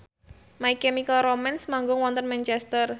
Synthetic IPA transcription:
maikɛmikəlromɛnsmaŋɡʊŋwɔnt̪ənmɛnt͡ʃɛst̪ər

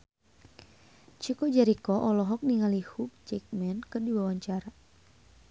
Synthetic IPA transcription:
t͡ʃikɔd͡ʒaɾikɔʔɔlɔɦɔk̚niŋalihup̚t͡ʃɛk̚mɛnkɨrdiwawaɲt͡ʃaɾa

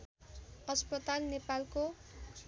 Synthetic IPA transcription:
ʌspʌt̪alnepalko

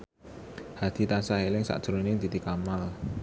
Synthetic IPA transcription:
had̪̥i̤t̪ansahelɪŋsa̰ʔd̥ʒ̥ɾonɪŋd̪̥i̤t̪ikamal

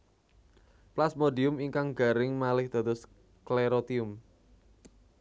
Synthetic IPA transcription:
plasmodiʊmiŋkaŋɡa̤ɾɪŋmalɪhd̪̥ä̤t̪ʊs | kleɾot̪iʊm

